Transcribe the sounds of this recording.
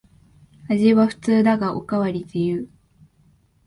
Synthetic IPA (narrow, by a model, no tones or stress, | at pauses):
aʑiβaɸɯ̟̥t͡sɨːd̪aɡaʔo̞̰kaβaɾʲid̪ejɯ